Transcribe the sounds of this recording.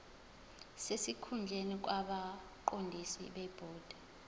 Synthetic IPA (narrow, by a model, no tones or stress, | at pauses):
sesikʰund͡ɮʱenik̬ʼwaɓa | ǃondʱisḭɓɛb̥ʱɔːd̥ʱa